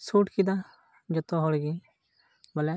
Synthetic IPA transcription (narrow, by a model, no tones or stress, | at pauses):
suːʈkid̪a | d͡ʒət̪ːõːɦoːlɡiː | bəlɛ